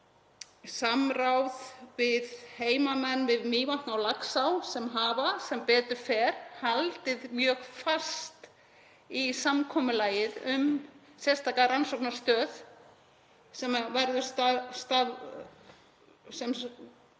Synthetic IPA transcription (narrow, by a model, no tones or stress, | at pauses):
samɾawðvɪðheːjmamɛnːvɪðmiːvaŋ̥knawlaksawsɛmɦaːvasɛmpɛːt̪ʏɾ̥fɛːɾ̥halt̪ɪðmjœːɣfast̪ | isamkʰɔːmʏlaːjɪðʏm | sjɛ̥st̪ʰaːkaɾansɔwknḁst̪œːð | sɛmavɛɾðʏst̪ast̪að | sɛm